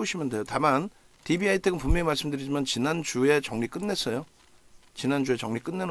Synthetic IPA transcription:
oɕʰimjʌnde̞jotaman | tibiaitʰeɡɯnpumjoɲimaɭs͈ɯmdɯɾid͡ʑimant͡ɕinand͡ʑue̞t͡ɕʌŋɲik͈ɯnːe̞s͈ʌjo | t͡ɕinand͡ʑue̞t͡ɕʌŋɲik͈ɯnːe̞n

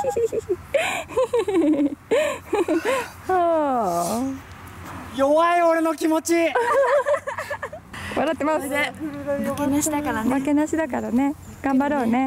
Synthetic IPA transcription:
ho | joβaio̞ɾe̞no̞kʲimo̞t͡ɕi | βaɾat̪ːe̞mas | akenaɕid̪akaɾamake̞naɕid̪akaɾane̞ | ɡ̥ãmbaɾoːne̞

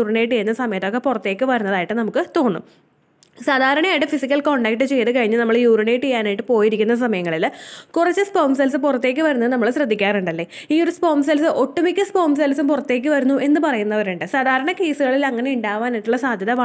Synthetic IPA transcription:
uːrinejiʈːejunːɐsɐmɐjɐt̪ːo̞ːkːepurɐt̪ːe̞ːkʲːɨʋɐɾunːɐðaːjiʈːɨnɐmukːɨt̪o̞ːnːṵm | saːd̪ʱaːɾɐɳɐjaːjiʈːɨfisikʲːɐlko̞ɳɖaːk̚ʈːɨt͡ɕe̞jt̪ɨkɐɻiɲːɨnɐmːɐɭjuːɾinejiʈːejaːnaːjiʈːɨpo̞ːjiɾikʲːunːɐs̬ɐmɐjɐŋːɐɭilkurɐt͡ɕːɨspoːmsɐlsɨpurɐt̪ːe̞ːk̬ʲːɨʋɐɾunːɐðɨnɐmːɐɭɕrɐd̪ʱːikʲːaːruɳɖɐlːe̞ː | iːo̞ɾuspo̞ːms̬ɐlsɨʔo̞ʈːumikʲːɨspo̞ːms̬ɐlsumpurɐt̪ːe̞ːk̬ʲːɨʋɐɾunːuʔe̞nːɨpɐrɐjunːɐoɾuɳɖɨsaːd̪ʱaːɾɐɳɐke̞ːsuɣɐɭilɐŋːɐne̞iuɳɖaːʋaːniʈːuɭːɐsaːd̪ʱjɐnɐʋɐ

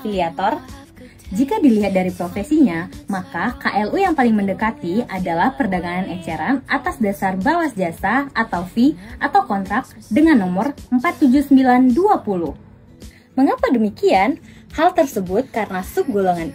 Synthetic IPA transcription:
iliat̪ɔr | d͡ʒikadiliɦat̪̚daɾipɾofesiɲamakakaʔɛlujaŋpalɪŋməndəkat̪iadalahpərdaɡananɛt͡ʃɛɾanʔat̪asdasarbawasd͡ʒasaʔat̪awfiʔat̪awkɔnt̪ɾak̚t̪dəŋanːɔmʊrəmpat̪ːud͡ʒʊsəmbilanduapuluh | məŋapadəmikian | halt̪ərsəbʊt̪̚kaɾənasuk̚ɡoloŋan

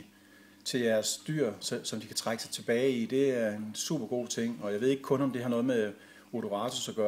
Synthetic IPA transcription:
t͡sʰe̝lj̥æɐsd̥yɐ̰ssɒ̽md̥ikʰæ̥t͡sʰʁaɡ̥əsɑ̈ɪt͡sʰe̝b̥ɛːɪid̥e̝æɐe̝nsṵb̥ɐɡ̥o̝̰ːt͡sʰeŋ̰ɒ̽jɑ̈ʋe̝e̝ɡ̥əkʰɔ̽nɒ̽md̥ehɑ̈nɔ̽ːð̞̩ˠme | oɾo̝ʁɑ̈ːt͡sʰosɒ̽ɡ̥ɶː

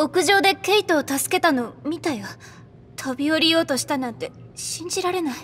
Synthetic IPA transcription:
o̞kɯ̟ʑo̞ːd̪e̞ke̞it̪o̞ːt̪asɨ̥ke̞t̪ano̞mʲit̪aiβa | t̪ʰo̞bʲio̞ɾʲijo̞ːt̪o̞ɕi̥t̪anãnt̪e̞ | ɕĩɲ̟d͡ʑiɾaɾe̞nai

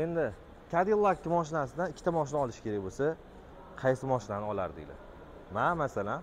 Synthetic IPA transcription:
e̞nd̪ɪ | kʲʰad̪ilˠakʲːɪmɒʃɪnasɪd̪anɪkʲʰːt̪ʰamɒʃ̬ɪnaɒlɪʃkʲʰe̞ɾakʲbosa | qʰɑjsɪmɒʃɪnanɪɒla̰ɾd̪ɪ̰lɪ̰ | mamasalan

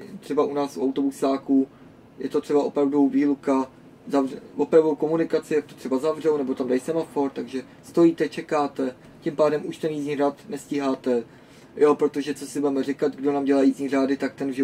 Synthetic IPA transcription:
t̪r̝̥ɛbaʔunaːsṵawt̪o̞busaːku | jɛt̪o̞t̪r̝̥ɛbaʔo̞pɾavduviːluka | zavrɛvo̞pɾavdowko̞munɪkat͡sɪjak̚t̪ot̪r̥ɛbazavr̝ɛwnɛbo̞t̪amdajisɛmafo̞ɾt̪aɡʒɛ | st̪o̞jiːt̪ɛt͡ʃɛkaːt̪ɛ | cɪmpaːdɛmʔuʃt̪ɛnjizɲiːraːt̪nɛscɪɦaːt̪ɛ | jo̞pɾo̞t̪o̞ʒɛt͡so̞sɪbuɛmɛr̝ɪkat̪ɡdo̞naːmɟɛlajiːzɲiːraːdɪt̪ak̚t̪ɛnuʒɪ

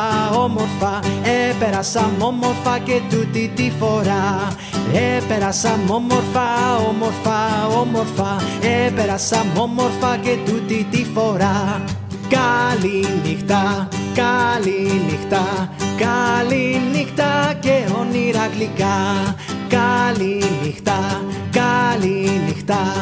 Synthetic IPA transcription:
omoɾfɐepeɾɐsɐmo̞moɾfɐcet̪ut̪it̪ifo̞ɾa | epeɾɐsɐmomoɾfɐomoɾfaomoɾfɐepeɾɐsɐmomoɾfɐcet̪ut̪it̪ifo̞ɾa | kalinixt̪akalinixt̪akalinixt̪akeoniɾaklika | kalinixt̪akalinixt̪a

